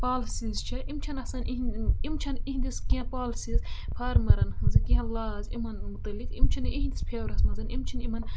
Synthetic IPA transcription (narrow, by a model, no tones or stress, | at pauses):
paːlsizt͡ʃʰɐʔimt͡ʃʰɐnɐsɐnʔiɦimt͡ʃʰɐniɦĩnd̪iskʲiɐ̃paːlsizpʰaːɾmɐɾɐnhɐnzɐkiɦɐ̃laːzimɐnmut̪ɐlːikimt͡ʃʰɐniɦind̪ispʰeːwɾɐsmɐzɐnimt͡ʃʰɐnimɐn